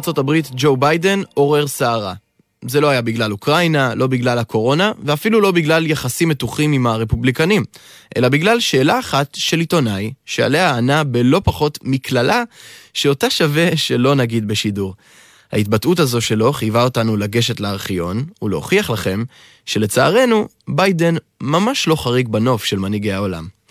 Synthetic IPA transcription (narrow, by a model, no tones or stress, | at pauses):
t͡so̞tabʁitd͡ʒo̞wbajde̞no̞ʁe̞ʁsaːʁa | zelo̞ajabiɡlalukʁajnalo̞biɡlalako̞ʁo̞naveafilulo̞biɡlaljaχasimːe̞tuχimimaʁe̞publikanimʔe̞̰labiɡlalʃe̞ːlaːχatʃe̞lito̞najʃea̰le̞aːnabe̞lo̞paχo̞tmiklalʔaʃeotaʃave̞ʃe̞lo̞naɡid̪be̞ʃiduʁ | ha̰it̚batʔutazo̞ʃe̞lo̞χijvao̞tanulaɡe̞ʃe̞tleaʁχijo̞nuleoχiaχlaχe̞m | ʃe̞le̞t͡saːʁe̞nu | bajde̞n | mamaʃlo̞χaʁiɡbano̞fʃe̞lmaniɡe̞jao̞la̰m